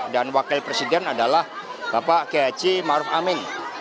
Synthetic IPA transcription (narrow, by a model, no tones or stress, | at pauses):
danwakɪlpɾesidɛnadalahb̥apakead͡ʒimaɾʊfamɪn